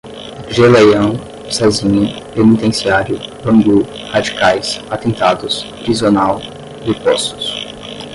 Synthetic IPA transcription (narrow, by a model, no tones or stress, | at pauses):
ʒelejɐ̃w̃ | sazĩɲɐ | penit̪ẽsiaɾjʊbɐ̃ŋɡlu | had͡ʒikajsat̪ẽnt̪ad̪ʊspɾizionaw | d͡ʒɪpɔsʊ̥s